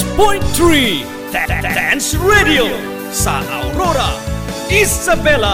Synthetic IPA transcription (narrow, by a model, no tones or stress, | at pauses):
pɔ̃jnt̪ɹi | ddãnsɹedio | sa̰ʔa̰wɾoɾaizabɛla